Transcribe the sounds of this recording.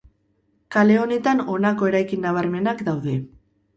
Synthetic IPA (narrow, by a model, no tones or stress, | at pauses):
kale̞o̞ne̞t̪ano̞nako̞e̞ɾajkinːaβ̞aɾme̞nakd̪awðe̞